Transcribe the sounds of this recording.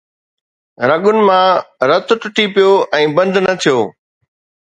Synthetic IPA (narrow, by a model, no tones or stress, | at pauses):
ɾɐɠʊnɪ̆mãɾɐt̪ʊʈʊʈʰipɪjoːʔɛ̃ːbɐ̃nd̪ʱnɐt̪ʰijoː